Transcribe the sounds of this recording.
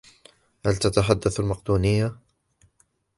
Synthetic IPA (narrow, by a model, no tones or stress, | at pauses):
halt̪at̪aħad̪ːaθalmɑqd̪uːnɪjːa